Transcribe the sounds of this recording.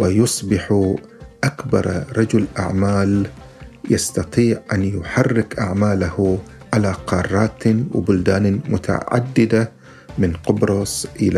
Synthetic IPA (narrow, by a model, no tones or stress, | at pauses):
wɪjʊsˤbɪħu | ʔakbɑ̰ɾˤɾˤɑd͡ʒʊlʔa̰ʕmaːl | jɑst̪ɑt̪ˤiːʕʔanjʊħarːɪkʔaʕmaːlahuʕalaqɑːrˤːɑːt̪wɪ̰bʊld̪aːnmʊt̪ʰa̰ʕa̰d̪ːɪd̪a | mɪnqʊbɾˤɑsʔɪla